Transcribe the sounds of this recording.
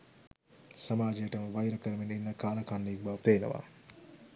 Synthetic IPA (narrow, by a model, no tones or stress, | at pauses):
sɐmaːd͡ʒijəʈəməʋajɾəkəɾəmeninːəkaːlɐkanːiɡbaʋpeːnə̰ʋa̰